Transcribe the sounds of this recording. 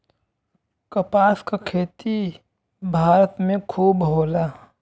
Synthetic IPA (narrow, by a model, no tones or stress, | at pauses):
kəpaːskakʰeːt̪i | bʱaːɾət̪mẽkʰuːbɦoːlaː